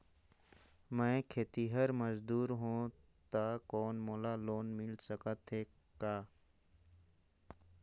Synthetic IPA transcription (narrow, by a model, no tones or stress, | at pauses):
mə̃kʰeːt̪iɦəɾməzd̪uːɾɦõ | t̪akɔːnmoːlaːloːnmɪlsəkət̪ɦeː | kaː